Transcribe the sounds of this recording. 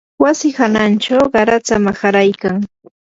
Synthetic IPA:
wasɪhanant͡ʃawɢɑɾat͡samaxaɾajkaŋ

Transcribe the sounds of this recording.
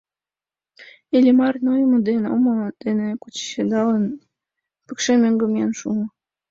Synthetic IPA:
elʲimɑrnojəmod̪eno̰mod̪̥enekut͡ɕɕed̪ɑlən | pəkʃemøŋɡəmiɑnʃumə

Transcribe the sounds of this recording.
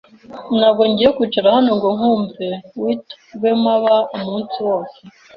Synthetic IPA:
nabɡoɲɟijekut͡ʃuɾahanoŋɡoŋ̥uːmbewit | ɡemaβaumuːnsiwo̞ːse

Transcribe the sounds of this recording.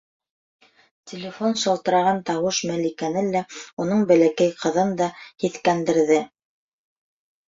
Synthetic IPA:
tʲɪlʲɪfonʃɤ̆lˠt̪ɤ̆ɾɑʁɑnt̪ɑwɤʃmælikænɘlːæunɤɴbælækæjqʰɤ̆ðɤnd̪ɑhiθkænd̪ɘ̆ɾðɘ

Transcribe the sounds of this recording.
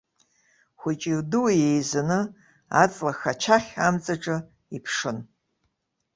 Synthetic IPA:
xʷʊt͡ʃʼirdɨwajejzanɨ | a̰t͡sʼlaxat͡ʃʰaχʲamt͡sʼaʈ͡ʂʼɨ | ipʰʂɨn

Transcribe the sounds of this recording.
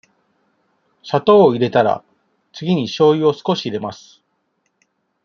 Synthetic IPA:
ɕat̪o̞ːiɾe̞t̪aɾa̰ | t͡sɨɡʲiɲ̟iɕo̞ːio̞sɨ̥ko̞ɕiːɾe̞masɨ̥

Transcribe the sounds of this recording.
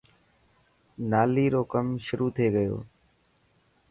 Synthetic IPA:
naːliːɾoːkəmʃʊɾuːt̪ʰeːɡəjo̰ː

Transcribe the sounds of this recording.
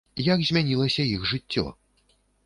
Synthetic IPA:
jaɡzʲmʲanʲilˠɐsʲɐixʐɨt͡sʲːɔ̰

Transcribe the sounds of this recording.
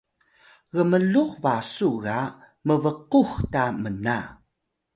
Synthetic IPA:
ɣəməluxvasuɣa | məvəquxtaməna

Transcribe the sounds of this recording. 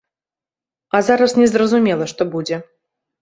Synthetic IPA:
azaɾɐsnʲɛzrɐzumʲɛlˠɐʂt̪ɔbud͡zʲɛ

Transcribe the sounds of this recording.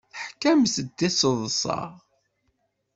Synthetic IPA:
θəħkːæmsəd̪ːɪsˤəðˤsˤɑ̰ʁ

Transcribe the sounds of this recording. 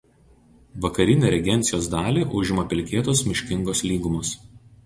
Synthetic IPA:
ʋɐkɐɾʲɪnʲeːɾʲɛɡʲɛnʲt̪sʲɪjoːsd̪ɑːlʲeːʔʊʒʲɪmɐpʲɪlʲkʲeːt̪oːsmʲɪʃʲkʲɪŋɡoːslʲiːɡʊmʊs

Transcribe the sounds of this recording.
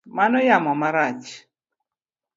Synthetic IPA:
manɔjamɔmaɾat͡ʃ

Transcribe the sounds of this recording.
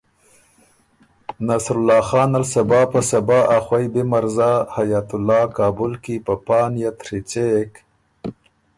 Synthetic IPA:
nasɾʊlːɑːxɑːnalsabɑːpasabɑːʔaxwajbemaɾzɑhajat̪ʊlɑːkɑːbʊlkipapɑːnjat̪ɾit͡ʃek

